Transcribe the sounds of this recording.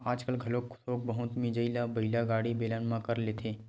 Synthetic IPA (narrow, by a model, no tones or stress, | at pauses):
aːd͡ʒkəlɡʱɐloksoːk̚bɐɦʊt̪mid͡ʒəilabəilaɡaːɽibeːlənmãkəɾleːt̪ʰeː